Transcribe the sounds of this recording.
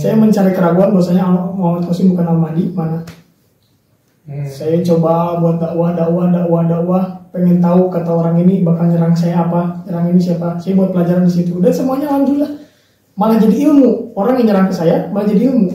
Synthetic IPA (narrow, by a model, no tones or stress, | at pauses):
sajaməɲt͡ʃaɾikəɾaɡuanbawasaɲamamat̪̚kosɪbukanalmadimana | sajat͡ʃobabuat̪̚daʔwadaʔwadaʔwadaʔwapeŋɛnt̪aukat̪aoɾaŋinibakalɲəɾaŋsajaːpaɲəɾaŋinisiapasajabuat̪̚pəlad͡ʒaɾandisit̪udansəmuaɲalaɲd͡ʒulah | manahd͡ʒadiːlmuoɾaŋjaŋɲəɾaŋkəsajamalad͡ʒadiilmu